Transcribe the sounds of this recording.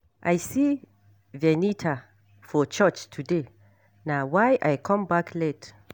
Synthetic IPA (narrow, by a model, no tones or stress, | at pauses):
ʔajsi | vɛnitʰa | fɔt͡ʃət͡ʃtʰude | nawajʔajkʰɔ̃mbakʰled